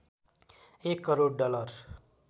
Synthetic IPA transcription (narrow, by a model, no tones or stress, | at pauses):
ekːʌɾoɽɖʌlʌr